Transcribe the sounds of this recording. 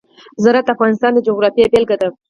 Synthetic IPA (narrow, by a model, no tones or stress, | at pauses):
zaɾat̪afɣɑnɪst̪ɑnd̪əd͡ʒoɣɾɑfijebelɡat̪aw